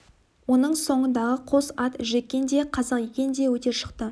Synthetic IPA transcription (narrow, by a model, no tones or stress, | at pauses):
wo̞nəɴso̞ɴənd̪ɑʁəqʰo̞sɑt̪ʒek̚ʲːe̞nd̪e̞qʰɑzɑqjekʲe̞nd̪e̞wɵt̪e̞ɾʃə̥qt̪ə